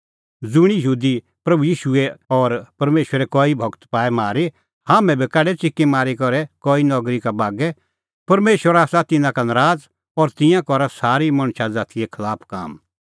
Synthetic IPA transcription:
d͡zʊɽ̃ijəɦuːd̪i | pɾɐbujiːʃueɔːɾpɐɾmeːʃwəɾɛkɔːibʱɐɡt̪paːɛmaːɾi | haːmɛ̃bʱikɛːɖɛt͡sɪkːemaːɾikɔɾɛkɔːinɔɡɾikabaːɡɛ | pɐɾmeːʃəɾaːsat̪ɪnãkanɐɾaːd͡z | ɔɾt̪ɪ̃jãkɔɾasaːɾimɐɽ̃ʃad͡zaːt̪iɛkʰɐlaːpʰka̰ːm

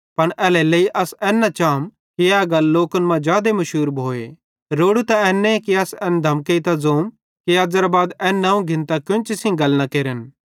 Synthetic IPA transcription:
pɐɽʔɛːlɛleːiʔɐsɛːnːat͡ʃaːm | kiɛːɡɐlːoːkənmãd͡ʒaːd̪emɐʃuːɾbʱoːḛ | ɾoːɽut̪aɛːnːẽkiɐsɛːnd̪ʱɐmkeit̪azoːm | kiaːd͡ʒəɾabaːd̪ɛːnːãːũɡʱɪ̃nt̪akjʊ̃t͡ʃɪsĩɡɐlnɐkeːɾən

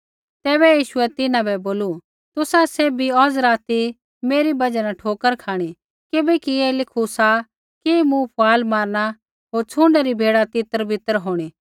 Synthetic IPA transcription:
t̪ɛːbɛjiːʃʊɛt̪ɪnãbɛboːlu | t̪ʊsaseːbʱiɔːd͡zɾaːt̪i | meːɾibɐd͡ʒanaʈʰoːkəɾkʰaːɽ̃i | kɪbɛkiɛlɪkʰusa | kimũpʰʊaːlmaːɾɽ̃a | ɦoːɾt͡sʰũːɳɖaɾibʱeːɽat̪ɪt̪əɾbʱɪt̪əɾɦoːɽ̃iː

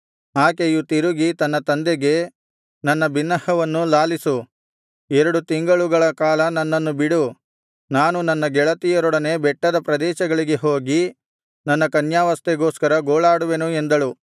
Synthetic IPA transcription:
aːkejut̪iɾuɡit̪ɐnːɐt̪ɐnd̪eɡe̞ | nɐnːɐbinːɐhɐʋɐnːulaːlisu | ɛɾɐɽut̪iŋɡɐɭuɡɐɭɐkaːlɐnɐnːɐnːubiɽu | naːnunɐnːɐɡɛɭɐt̪ijɐɾɔɽɐne̞bɛʈːɐd̪ɐpɾɐd̪ɛːʃɐɡɐɭiɡe̞ɦo̞ːɡi | nɐnːɐkɐnjaːʋɐst̪eɡo̞ːskɐɾɐɡoːɭaːɽuʋe̞nuend̪ɐɭu

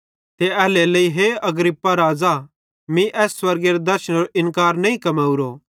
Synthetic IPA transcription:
t̪eɛːleleiɦeɐɡɾɪpːaɾaːd͡za | mĩʔɛːsːwɐɾɡeɾed̪ɐɾʃə̃ñɾoʔɪ̃nkaːɾnɐĩkɐmaːuɾo

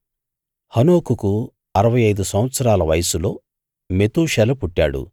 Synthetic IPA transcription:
hɐno̞ːkuku | ɐɾɐʋɐjɐjd̪usɐm̃ʋɐt̪sɐɾaːlɐʋɐjɐsulo̞ː | met̪uːʂɛlɐpuʈːa̰ːɽṵ

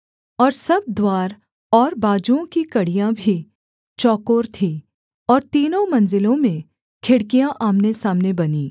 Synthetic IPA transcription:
ɔːɾsɐb̚d̪waːɾ | ɔːɾbaːd͡ʒuõkikɐɽijãbʱi | t͡ʃɔːkoːɾt̪ʰi | ɔːɾt̪iːnõmɐ̃nzɪlõmẽ | kʰɪɽkijãʔaːmnesaːmnebɐniː

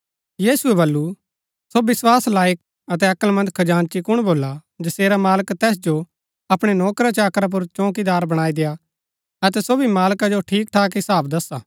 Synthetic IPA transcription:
jiːsuɛbɐlːu | sobɪswaːslaːjək̚ | ɐt̪ɛɐkəlmɐ̃nd̪̚kʰɐd͡ʒaːnt͡ʃikʊɽ̃boːlad͡ʒɐseːɾamaːləkt̪ɛːs̬d͡ʒo | ɐpɽ̃enɔːkɾat͡ʃaːkɾap̬ʊɾt͡ʃɔ̃ːk̬id̪aːɾbɐɽ̃aːid̪eja | ɐt̪ɛsoːbʱimaːlkad͡ʒoʈʰiːk̚ʈʰaːkɦɪsaːbd̪ɐsːaː

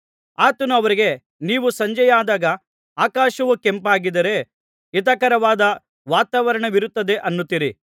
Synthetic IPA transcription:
aːt̪ɐnuɐʋɐɾiɡe̞ | niːʋusɐɲd͡ʒɐjaːd̪aːɡɐ | aːkaːʃɐʋukempaːɡid̪ɐɾe̞ | it̪̬ɐkɐɾɐʋaːd̪ɐ | ʋaːt̪aːʋɐɾɐɳɐʋiɾut̪ːɐd̪e̞ʔɐnːut̪ːiɾi

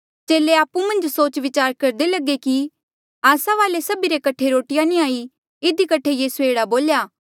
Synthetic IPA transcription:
t͡ʃeːleaːpumɐ̃nd͡ʒsoːt͡ʃʋɪt͡ʃaːɾkɐɾd̪elɐɡeki | aːsaʋaːlesɐbiɾekɐʈʰeɾoːʈɪjãnĩaːi | ɪd̪ikɐʈʰejiːsueːɽaboːljaː

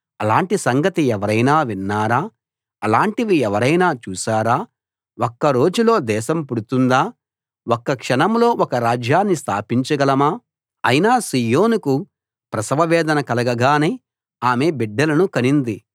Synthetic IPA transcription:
ɐlaːɳʈisɐŋɡɐt̪iɛʋɐɾɐjnaːʋinːaːɾaː | ɐlaːɳʈiʋiɛʋɐɾɐjnaːt͡ʃuːsaːɾaː | okːɐɾo̞ːd͡ʒulo̞ːd̪ɛːʃɐmpuɽut̪und̪aː | wokːɐkʂɐnɐmlo̞ːʔɔkɐɾaːd͡ʒjaːnːist̪ʰa̰ːpiɲt͡ʃɐɡɐlɐmaː | ɐ̰jinaːsiːjoːnuku | pɾɐsɐʋɐʋɛːd̪ɐnɐkɐlɐɡɐɡaːneː | aːme̞ːbiɖːɐlɐnukɐnind̪i

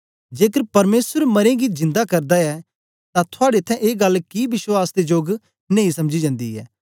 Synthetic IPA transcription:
d͡ʒeːkəɾpɐɾmeːsəɾmɐɾẽɡid͡ʒɪ̃nd̪akɐɾd̪aɛː | t̪ãt̪ʰʊaːɽet̪ʰɛ̃ʔeːɡɐlkibɪʃwaːsd̪ed͡ʒoːɡ | neĩsɐmd͡ʒid͡ʒãːnd̪iɛ̰ː

